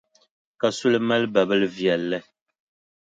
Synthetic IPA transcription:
ka˨su˦lma˦lba˨bə˦lvjɛ˨lːɛ˦

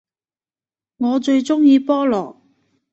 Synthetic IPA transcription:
ŋɔː˨˧t͡ʃɵ˧ɥt͡ʃʊ˥ŋjiː˧pɔː˥lɔː˨˩

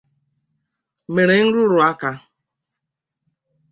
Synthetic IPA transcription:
me˨ɾe˨ŋ̩˦ɾʊ˦ɾʊ˨a˦ka˦

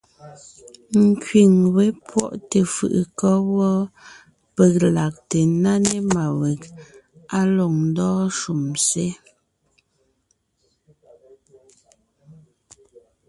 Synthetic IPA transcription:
ŋ̩˨kɥi˨ŋwe˦pwɔ̰˦˨ʔte˨fɯ̰˨ʔɯ˨kɔ˦wɔ˦ | pe˦˨k̚la˨k̚te˨na˦ne˦ma˨we˨k̚ | a˦lɔ˨ŋn˦dɔː˦ʃu˨mse˦

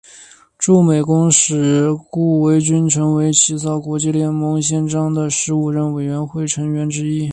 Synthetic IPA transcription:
ʈ͡ʂu˥˩me˨˩ɪkʊ˥ŋʂɻ̩˨˩ku˥˩we˧˥ɪt͡ɕy˥nʈ͡ʂʰɤ˧˥ŋwe˧˥ɪt͡ɕʰi˧˥sɑ˥˩ʊkwɔ˧˥t͡ɕi˥˧ljɛ˥˩nmɤ˧˥ŋɕ̬jɛ˥˧nʈ͡ʂɑ˥ŋd̪ə˨ʂɻ̩˧˥u˨˩ɻə˥˩nwe˨˩ɪɥɛ˧˥nxwe˥˩ɪʈ͡ʂʰɤ˧˥ŋɥɛ˧˥nʈ͡ʂɻ̩˥i˥

